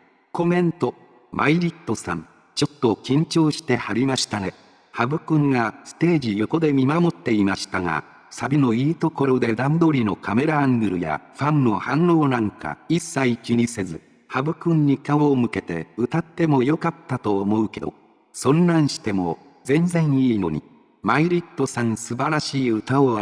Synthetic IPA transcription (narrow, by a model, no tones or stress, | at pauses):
ko̞mẽ̞nt̪o̞ | mʔa̰iɾʲit̪ːo̞sã̰n | t͡ɕo̞t̪ːo̞kʲĩɲ̟t͡ɕo̞ːɕi̥t̪e̞haɾʲimaɕi̥t̪aŋe | habɯ̟kɯ̟̃ŋɡasɨ̥t̪e̞ːd͡ʑijo̞ko̞d̪e̞mʲimamo̞t̪ːe̞imaɕi̥t̪aŋa̰ | sabʲino̞iːt̪o̞ko̞ɾo̞d̪e̞d̪ãnd̪o̞ɾʲino̞kame̞ɾãːŋɡɯ̟ɾɯ̟ja̰ɸãnno̞hãnːo̞ːnãŋka̰isːaikʲiɲise̞zɨ | habɯ̟kɯ̟̃ɲ̟ːikaoːmɯ̟ke̞t̪e̞̰ɯ̟t̪at̪ːe̞mo̞jo̞kat̪ːat̪o̞ːmo̞ɯ̟ke̞d̪o̞̰ | sõ̞nːãɰ̃ɕi̥t̪e̞mo̞̰ | zẽ̞nzẽ̞ɰ̃iːno̞̰ɲ̟ḭ | maiɾʲit̪ːo̞sãɰ̃sɨbaɾaɕiːɯ̟t̪aoa